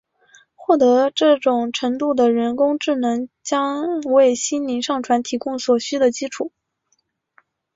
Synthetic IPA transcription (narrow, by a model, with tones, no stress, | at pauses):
xwɔ˥˩t̪ɤ˧˥ʈ͡ʂɤ˥˩ʈ͡ʂʊ˨˩ŋʈ͡ʂʰɤ˧˥ŋt̪u˥˩d̪ə˩ɻə˧˥nkʊ˥ŋʈ͡ʂɻ̩˥˩nɤ˧˥ŋt͡ɕjɑ˥ŋwe˥˩ɪɕi˥nli˧˥ŋʂɑ˥˩ŋʈ͡ʂʰwa˧˥nt̪ʰi˧˥kʊ˥˩ŋswɔ˨˩ɕy˥d̪ə˨t͡ɕi˥ʈ͡ʂʰu˨˩˦